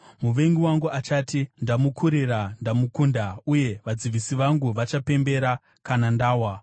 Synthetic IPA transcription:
muʋe̞ŋɡiwaŋɡuat͡ʃaːtindamukʰuɾiɾandamukundauje̞ʋad͡ziʋisiʋaŋɡuʋat͡ʃape̞mbe̞ɾa | kanandaːwa

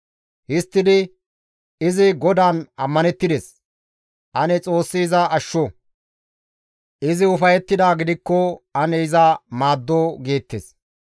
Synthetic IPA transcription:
hɪst̪ːɪd̪ɪ | ɪzɪɡɔd̪aːnɐmːɐnɛt̪ːɪd̪es | ʔɐnɛt͡sʼo̞ːsːɪzɐɐʃːo | ʔɪzɪʊfɐjɛt̪ːɪd̪aːɡɪd̪ɪkːɔɐnɛɪzɐmaːd̪ːoːɡeːt̪ːḛːs

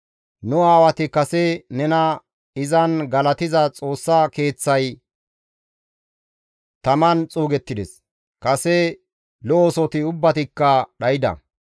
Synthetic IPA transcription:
nʊaːwɐt̪ɪkɐsɛnɛnɐ | ɪzɐnɡɐlɐt̪ɪzɐt͡sʼo̞ːsːake̞ːt͡sːɐj | t̪ɐmɐnt͡sʼuːɡɛt̪ːɪd̪ɛs | kɐsɛ | lɔosɔt̪ɪʊbːɐt̪ɪkːɐɗɐjɪd̪ɐ̰

